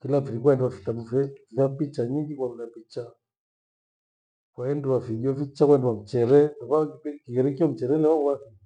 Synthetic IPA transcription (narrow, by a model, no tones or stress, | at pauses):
kilafiɾikwaɛnduwafitabufɛffapit͡ʃaɲiŋɡikwaulapit͡ʃa | kwaɛnduwafiɡiafit͡ʃakwaɛndɛwam̩t͡ʃɛɾɛnakakkiɛɾɛk̬iam̩t͡ʃɛɾɛlɛwawai